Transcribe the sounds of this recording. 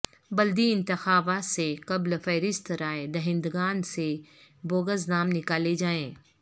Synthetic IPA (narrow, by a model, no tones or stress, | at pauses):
bɐld̪iɪ̃nt̪ɪxaːbat̪sekɐblfɛːɾɪst̪ɾaːed̪ɐɦɪ̃nd̪ɡaːnseboːɡəznaːmnɪkaːled͡ʒaːẽː